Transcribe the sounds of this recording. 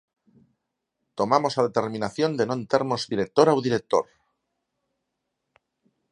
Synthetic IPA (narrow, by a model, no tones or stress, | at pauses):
t̪o̞mamo̞saðe̞t̪e̞ɾmĩnaθjo̞nd̪e̞no̞ent̪eɾmo̞zðiɾe̞k̚t̪o̞ɾawðiɾe̞k̚t̪o̞̰ɾ